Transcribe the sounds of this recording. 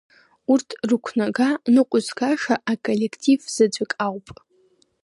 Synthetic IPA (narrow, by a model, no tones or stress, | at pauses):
urtʰrɨkʷʰnaɡanɨqʷʼʊzɡaʂaʔakʼole̞kʰtʰʼivz̥ɨd͡ʒʷakʼawpʼ